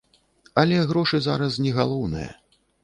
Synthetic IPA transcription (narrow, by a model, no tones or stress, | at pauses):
ɐlʲɛɣɾɔʂɨza̰ɾɐs̬nʲɛɣalˠɔwnɨ̰jɐ̰